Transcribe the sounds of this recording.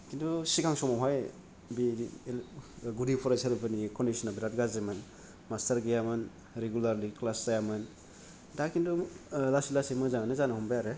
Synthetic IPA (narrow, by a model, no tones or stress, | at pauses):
kindusikʰaŋsɔmaɦaj | bi | ɡudipʰɔɾasʰeɾupʰɯnikɔndisɔnabiɾat̚ɡazemɯn | mastɐɾɡejamɯn | ɾeɡulaɾliklaszajamɯn | dakindɔlasilasimɯzaŋanɯzanahɔmbajaɾe